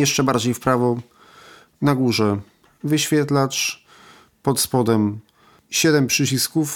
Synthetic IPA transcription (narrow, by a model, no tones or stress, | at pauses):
jɛʂt͡ʂɛbaɾd͡ʑejfpɾavɔ | naɡuʐɛ | vɘɕfʲjɛt̪lat͡ʂ | pɔt̪spɔd̪ɛm | ɕɛd̪ɛmpʂɘt͡ɕiskuf